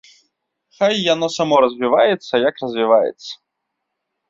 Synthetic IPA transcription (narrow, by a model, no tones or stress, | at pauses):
xajːanɔsamɔɾɐzʲvʲivajɛt̪sːɐjakrɐzʲvʲivajɛ̰t̪sːɐ̥